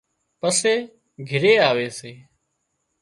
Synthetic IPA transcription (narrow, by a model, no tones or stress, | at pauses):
pəseː | ɡʱɪɾeːaːʋeːseː